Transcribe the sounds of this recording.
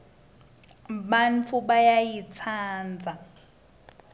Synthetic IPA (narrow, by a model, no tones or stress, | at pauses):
banfuɓajajit͡sʰaːnd͡zʱa